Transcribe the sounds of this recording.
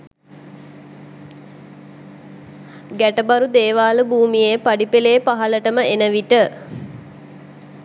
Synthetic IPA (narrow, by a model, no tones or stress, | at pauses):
ɡæʈəbaɾud̪eːʋaːləbuːmijeːpaɖipeleːpaɦaləʈəməenəʋiʈə